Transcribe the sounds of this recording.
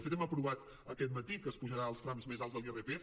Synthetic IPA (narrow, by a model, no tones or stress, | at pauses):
fet̪ɛməpɾuβat̪ | əkɛt̪mət̪ikəːspuʒəɾaəlˠsfɾamzmezalˠzðəlerepe